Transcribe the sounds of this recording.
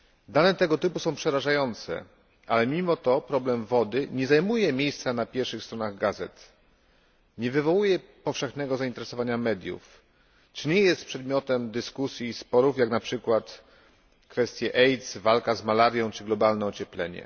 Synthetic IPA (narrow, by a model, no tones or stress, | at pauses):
d̪anɛt̪ɛɡɔt̪ɘpusɔ̃w̃pʂɛɾaʐajɔnt̪sɛ̰ | ʔalɛmʲimɔt̪ɔpɾɔblɛmvɔd̪ɘɲɛzajmujɛmʲjejst̪sanapʲjɛɾfʂɘxst̪ɾɔnaɣɡazɛt̪ | ɲɛvɘvɔwujɛpɔfʂɛxnɛɡɔzaint̪ɛɾɛsɔvaɲamɛd̪ʲjṵf | t͡ʂɘɲɛjɛst̪̚pʂɛd̪mʲjɔt̪ɛmd̪ɘskusʲjiːspɔɾufjaknapʂɘkwat̪ | kfɛst̪ʲjɛʔɛjt̪svalkazmalaɾjɔ̃w̃t͡ʂɘɡlɔbalnɛɔt͡ɕɛplɛɲɛ̰